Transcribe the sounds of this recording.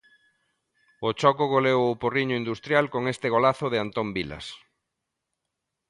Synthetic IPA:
ot͡ʃɔkʊɣolewʊporiɲʊind̪ust̪ɾjalkoŋest̪ɪɣolaθʊðeant̪ombila̰s

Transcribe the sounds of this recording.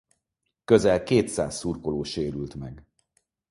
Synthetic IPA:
køzɛlkeːt̪sa̰ːsːurkoloːʃeːɾylt̪mɛɡ

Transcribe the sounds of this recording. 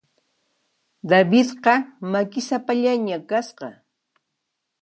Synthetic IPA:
d̪abɪt̪qɑmakɪsapaʎaɲakasqɑ

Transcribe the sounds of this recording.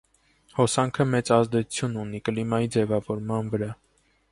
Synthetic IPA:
hɔsɑŋkʰəmɛt͡sɑzd̪ɛt͡sʰu̥t͡sʰjununikəlimɑjid͡zɛvɑvɔɾmɑnvəɾɑ

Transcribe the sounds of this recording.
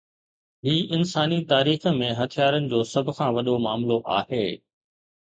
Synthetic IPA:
ɦiːʔɪnsaːnit̪aːɾiːxə̆mẽɦɐt̪ʰijaːɾənɪ̆d͡ʑoːsɐbʱʊkʰãːʋɐɗomaːmloʔa̰ːheː

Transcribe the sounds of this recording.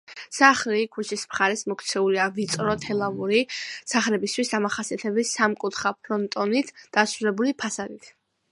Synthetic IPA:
saχlikʰut͡ʃʰismχaɾɛsmɔkʰt̪sʰɛuliavit̪sʼɾɔt̪ʰɛlˠavuɾisaχɾɛbist̪ʰwisd̪amaχasiat̪ʰɛbɛsamkʼut̪ʰχapʰɾɔnt̪ʼɔnit̪ʰd̪̥asɾulɛbulipʰasad̪it̪ʰ

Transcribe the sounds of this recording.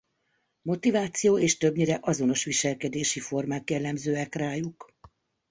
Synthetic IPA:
mo̞t̪ivaːt̪sijoːeːʃt̪ø̞bɲiɾɛʔɒzo̞no̞ʃʋiʃɛlkɛd̪eːʃifo̞rmaːkjɛlːɛmzøːɛkraːjuk

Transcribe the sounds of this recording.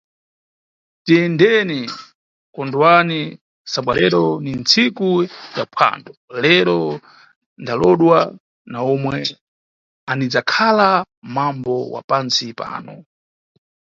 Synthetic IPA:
tiɛndɛni | kɔndwani | saɓwalɛɾɔnint͡sikujapʰa̰ndɔlɛɾɔ | ndalɔɗwa | naɔmwɛ | anid͡zakʰala | mambɔwa̰pansipa̰ːnɔ

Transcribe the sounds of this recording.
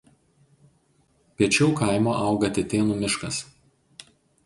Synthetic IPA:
pʲiɛt͡ʃʲɛʊkɐˑɪmoːʔɑˑʊɡɐt̪ʲɪt̪ʲeːnuːmʲɪʃkɐs

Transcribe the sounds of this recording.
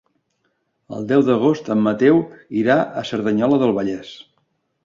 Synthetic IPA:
ə̰lˠd̪ɛwðəɣ̞ost̪əmːət̪ɛwiɾaʔəsəɾðəɲɔləðəlˠβəʎɛs

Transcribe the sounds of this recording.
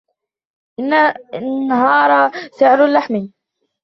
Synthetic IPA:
ʔɪnːanaɦɑːɾˤɑsɪʕɾlːaħmi

